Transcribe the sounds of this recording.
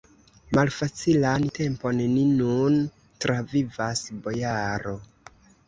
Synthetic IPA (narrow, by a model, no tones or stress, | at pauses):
malfat͡silante̞mpo̞nːinun | tɾʔavivasbo̞jaɾo̞